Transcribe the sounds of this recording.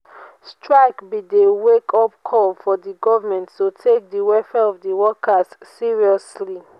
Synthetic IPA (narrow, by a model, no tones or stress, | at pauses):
stɹaɪkbidewekʰɔpkʰɔlfɔdiɡɔvamɛ̃nttotʰek̚diwɛfɛɔvdiwɔkʰasːiɹiɔsli